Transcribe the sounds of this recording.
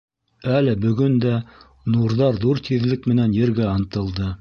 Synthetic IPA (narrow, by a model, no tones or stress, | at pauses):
ælɘbɵ̆ɡɵnd̪æ | nuɾðɑɾðuɾt̪ʰiðlɘkmɘ̆nænjɘ̆ɾɡæɑnt̪ɤ̆lˠd̪ɤ